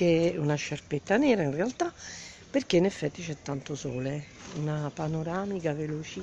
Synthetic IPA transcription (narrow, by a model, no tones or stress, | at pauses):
eunaʃːarpet̪ːanɛːɾainrealt̪apːerk̟einefːɛt̪ːit͡ʃɛt̪ːant̪osɔːle | unapanoɾaːmikavelot͡ʃi